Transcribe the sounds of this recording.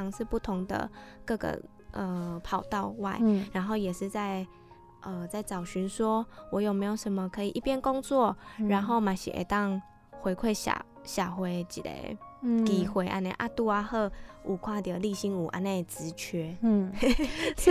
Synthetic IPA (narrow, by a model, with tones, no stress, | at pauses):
ɑ˧ŋʂɻ̩˥˧pu˥˩t̪ʰʊ˧˥ŋd̪ə̰˧˨kɤ˥˩ɡə̰˩ | ʔə˨˩pʰɑ˨˩ʊt̪ɑ˥˧ʊwa˥˧˩ɪɻa˧˥nɦo˥˩ʊjɛ˨˩ʂɻ̩˥˧t͡sa˥˧ɪ | ʔə˧t͡sa˥˩ɪt͡sɑ˨˩ʊɕy˧˥nswɔ˦wɔ˧˥jo˨˩ʊme˧˥ɪjo˨˩ʂə˧˦nmə˨kʰɤ˧˥i˨ʔi˥˩pjɛ˥˨nko˥ŋt͡swɔ˥˩ɻa˧˥nxo˥˩ʊma˨˥ɪɕḭ˨ʔḛ˨˩ɪt̪ɑ˥˧ŋ | xwe˧˥ɪkʰwe˥˩ɪɕa̰˨˩ | ɕja˨˩xwe˧˥ɪt͡ɕḭ˨˩d̪ḛ˧˩ɪki˨˩xwe˧˥ɪʔa̰˧˥nḛ˥˧ʔa̰˥˧t̪u˥˧a˧xɤ˥˧˩u˨˩kʰwa˥˩d̪ə˨˩li˥˩ɕi˥ŋu˨˩ʔa̰˧˩ne˥˧˩t͡sɻ̩˧˥t͡ɕʰɥɛ˥